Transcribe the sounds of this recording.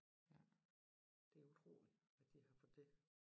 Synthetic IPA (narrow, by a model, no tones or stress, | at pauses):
jæ | d̥e̝æɐut͡sʰʁo̝̰ːli̥æd̥ihɑ̈fɒd̥e